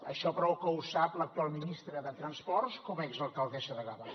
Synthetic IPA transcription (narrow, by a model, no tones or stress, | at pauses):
ə̰ʃɔpɾɔwkəusaplək̚t̪ualˠminist̪ɾəðət̪ɾənspɔrskɔmɛzəlˠkəlˠðɛʃəðəɣəβa